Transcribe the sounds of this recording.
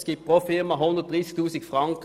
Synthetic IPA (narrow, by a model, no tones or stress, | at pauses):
skippʁofɪʁmɑɦʊnd̪ʁd̥̪ʁisk̚t̪ʉːsɪɡfʁɑŋk